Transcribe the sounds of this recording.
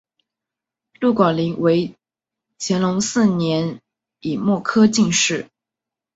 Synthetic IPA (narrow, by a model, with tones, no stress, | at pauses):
lu˥˩kwa˨˩nli˧˥ŋwe˧˥ɪ | t͡ɕʰjɛ˧˥nlʊ˧˥ŋsɹ̩˥˩njɛ˧˥n | i˨˩mwɔ˥˩kʰɤ˥t͡ɕi˥˧ŋʂɻ̩˥˩